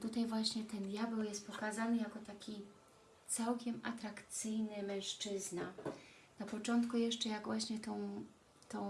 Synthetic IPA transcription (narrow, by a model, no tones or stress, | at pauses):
t̪ut̪ajvwaɕɲɛt̪ɛnd̪ʲjabɛwjɛst̪̚pɔkazanɘjakɔt̪akʲi | t̪sawkʲɛmat̪ɾakt̪sɘjnɘmɛ̃ʂt͡ʂɘzna | napɔt͡ʂɔnt̪kujɛʂt͡ʂɛjaɡvwaɕɲɛt̪ɔ̃w̃ | t̪ɔ̃w̃